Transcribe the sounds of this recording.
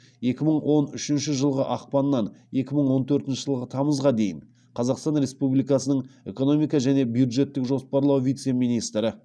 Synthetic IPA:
e̞kʲɪməɴwo̞nʏʃɪnʃɪʒəlˠʁəʔɑq̚pɑnːɑne̞kʲɪməɴwo̞nt̪ʰɵɾt̪ɪnʃəɪʒəlˠʁət̪ʰɑməzʁɑd̪e̞jɪn | qʰɑzɑqst̪ɑnɾe̞spublijkɑsənəɴe̞ko̞no̞mijkɑʒæne̞bjud̪ʒe̞t̪ːɪkʒo̞spɑɾlˠɑwvijt̪se̞minijst̪ɾɪ

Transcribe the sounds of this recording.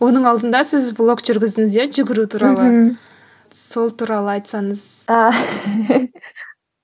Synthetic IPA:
wo̞nəɴɑlˠd̪ənd̪ɑsɪzblˠo̞kʒ̥ʏɾɡʲɪzd̪ɪŋɪzeʒʏɡʲɪɾut̪ʰuɾɑlˠə | so̞lˠt̪ʰuːɾɑlˠəɑjt̪sɑɴəz̥ | a

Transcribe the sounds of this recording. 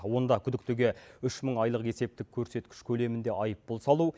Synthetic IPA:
wo̞nd̪ɑkʲʰʏd̪ɪkt̪eɡʲe̞ʏʃməɴɑjlˠəqe̞se̞p̚t̪ɪk̚ʲʰːɵɾse̞t̪kʲɪ̥ʃkʲʰɵle̞mɪnd̪e̞ʔɑjəpbolˠsɑlˠu

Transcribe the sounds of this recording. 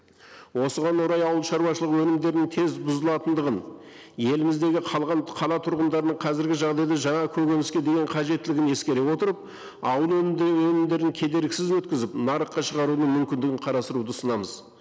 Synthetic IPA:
wo̞səʁɑnwoɾɑjɑwəlˠʃɑɾwɑʃəlˠəqwɵnɪmd̪e̞ɾɪnɪŋt̪ʰe̞zbʊzəlˠɑt̪ənd̪əʁən | je̞lɪmɪzd̪e̞ɡʲɪqʰɑlˠʁɑnqʰɑlˠɑt̪ʰʊɾʁənd̪ɑɾənəɴqʰɑzɪɾɡʲɪʒɑʁd̪ɑjd̪ɑʒɑɴɑkʲʰɵɡʲenɪskʲe̞d̪e̞ɡʲeɴqʰɑʒe̞t̪ːɪlɪɡʲɪne̞skʲe̞ɾe̞wo̞t̪əɾəp̚ | ɑwəlˠɵnwɵnɪmd̪e̞ɾɪŋkʲʰe̞d̪e̞ɾɪkʲsɪzwɵt̪̚kʲɪzɪpnɑɾəqːɑʃəʁɑɾunəɴmʏmkʲɪnd̪ɪɡʲɪɴqʰɑɾɑst̪əɾud̪əsənɑməz

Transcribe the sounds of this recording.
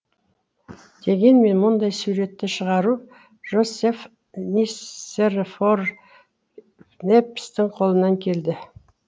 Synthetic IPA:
d̪̥e̞ɡʲe̞nme̞nmʊnd̪ɑjsuɾe̞t̪ːɪʃəʁɑɾu | ʒ̥o̞sef | nʲierfor | nepːɪ̥st̪ɪŋqʰo̞lˠənɑŋkʲʰe̞ld̪ɪ

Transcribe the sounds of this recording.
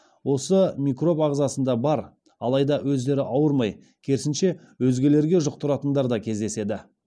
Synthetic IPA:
wo̞səmʲikro̞pɑʁzɑsənd̪ɑbɑɾ | ɑlˠɑjd̪ɑwɵzd̪e̞ɾɪʔɑwəɾmɑj | kʲʰe̞ɾɪsɪnʃe̞ | wɵzɡʲe̞le̞ɾɡʲe̞ʒʊq̚t̪ʊɾɑt̪ənd̪ɑɾd̪ɑkʲʰe̞zd̪e̞se̞d̪ɪ

